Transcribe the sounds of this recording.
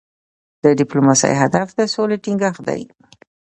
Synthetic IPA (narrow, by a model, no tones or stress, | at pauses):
d̪̥əɖɪplomasa̰jɦad̪afd̪əsoleʈiŋɡaxd̪a̰j